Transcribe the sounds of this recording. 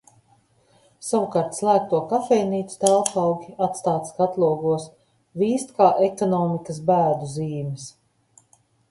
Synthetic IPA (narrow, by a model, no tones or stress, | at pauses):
sawukaːɾt̪slˠæːk̚t̪uɔkafɛjniːt̪su̥t̪ælˠpɑwɡʲiat̪st̪aːt̪skat̪lˠuɔɡuɔs | viːst̪kaːʔekɔnɔːmikəs̬bæːd̪uziːmɪs